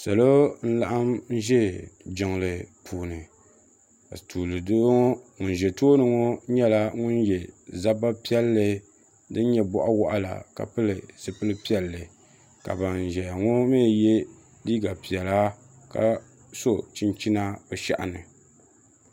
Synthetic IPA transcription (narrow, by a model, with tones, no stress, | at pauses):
sa˨lo˦n̩˦la˦ʔa˦mn̩˦ʒɛ˦d͡ʒɪ˨ŋ˨lɨ˨pʰuː˨nɨ˨ | ka̰˨tuː˨lɨ˨do˦ŋo˦ŋʊ˨n˨ʒɛ˨toː˦nɨ˨ŋo˦ɲɛ˦la˦ŋʊ˦njɛ˨za˦ba˦pi˦ɛ˦lːɨ˦ | dɨ˦n˦ɲɛ˦bɔ̰˦ʔa˦wɔ˦ʔa˦la̰˨ka̰˨pɨ˦lɨ˨sɨ˦pɨ˦lɨ˦pi˦ɛ˨lːɨ˨ | ka̰˨ba˨n˨ʒɛ˨a˨ŋo˦meː˦˨je˦ | diː˦ɡa˨pi˨ɛ˨la˦ | ka̰˨ | so˦t͡ʃi˦nt͡ʃi˦na˦bɛ˨ʃa̰˦ʔa̰˨nɨ˨